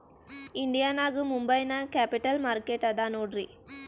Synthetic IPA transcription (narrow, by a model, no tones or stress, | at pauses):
ɪnd̪ɪjaːnaːɣɯmʊmbɐjnakaːpɪʈːɐlmaːɾkeʈːɐd̪aːnoːʈri